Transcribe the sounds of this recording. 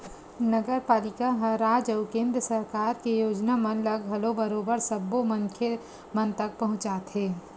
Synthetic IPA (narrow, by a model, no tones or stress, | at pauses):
nəɡəɾpaːlɪkaɦɐɾaːd͡ʒəʊkẽːnd̪ɾəsɐɾkaːɾkejoːd͡ʒnamɐnlɐɡɦɐlobəɾoːbəɾsɐbːomənkʰe | mənt̪ɐk̚pɐɦʊ̃t͡ʃaːt̪ʰɦeː